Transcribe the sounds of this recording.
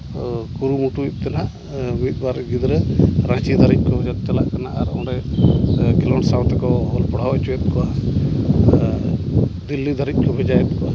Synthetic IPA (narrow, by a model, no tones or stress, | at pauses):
kuɾumuʈut̚ˀt̪ɛnaʔ | mit̪̚ˀbaɾɡid̪ɾɛɾãt͡ʃid̪ʱaɾic̚ˀkɔd͡ʒak̪̚t͡ʃalaʔkanaʔaɾɔ̃ɖɛ | ɡɛlɔnsawt̪ɛkɔɦɔlpɔɽ̤awɛt͡ʃuɛt̪̚kɔa | d̪ilːid̪ʱaɾit̪̚ˀkʰɔbʱɛd͡ʒajɛt̪̚kɔa